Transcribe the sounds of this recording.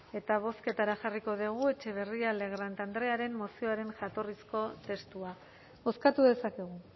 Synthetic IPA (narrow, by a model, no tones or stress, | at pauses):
e̞t̪aβ̞o̞ske̞t̪aɾaʝariko̞ðiɣ̞ue̞t͡ʃe̞β̞e̞riale̞ɣ̞ɾant̪and̪ɾe̞aɾe̞mːosioaɾe̞nʝat̪o̞risko̞t̪e̞st̪ua | oskat̪uðe̞sake̞ɣ̞u